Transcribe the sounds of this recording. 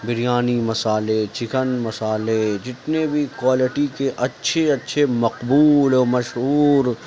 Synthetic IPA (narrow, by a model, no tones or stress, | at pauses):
bɪɾijaːnimɐsaːlet͡ʃɪkənmɐsaːled͡ʒɪt̪nebʱikwaːlɪʈikeʔɐtːʃʰeɐtːʃʰemɐqbuːlmɐʃɦuːɾ